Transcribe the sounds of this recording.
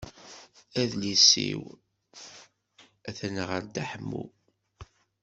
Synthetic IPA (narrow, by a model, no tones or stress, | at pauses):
æðlisḭw | æθənəʁəɾd̪aħəmːṵ